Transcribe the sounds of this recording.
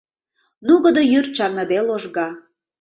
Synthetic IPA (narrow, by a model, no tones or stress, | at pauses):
nuɣəd̪ojyrt͡ɕɑrnə̆d̪eloʒɣɑ